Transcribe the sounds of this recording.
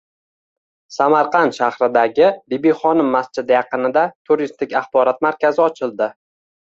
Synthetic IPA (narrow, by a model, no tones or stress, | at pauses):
samaɾqʰɑnt̪ʃahɾɪd̪aɡʲɪbɪbiχɒnɪmːast͡ʃɪd̪ajɑqɨnɪd̪at̪ʰʊɾist̪ɪkʲɑχbɒɾɒt̪̚maɾkʲazɪɒt͡ʃʰɪlˠd̪ɪ